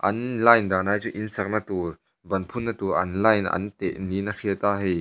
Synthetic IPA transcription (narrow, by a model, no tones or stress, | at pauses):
ʔɐnlɐjnd̪aːnaːjt͡suʔinsɐk̚nɐt̪ur | bɐnpʰunːɐt̪uɾʔɐ̰nlɐjnʔɐ̰nt̪ɛ̰ʔninɐfʰit̪aːɦi